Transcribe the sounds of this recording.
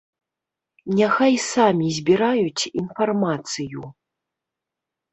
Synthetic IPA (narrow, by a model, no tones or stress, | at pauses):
nʲaxajsamʲizʲbʲiɾajut͡sʲinfarmat̪sɨju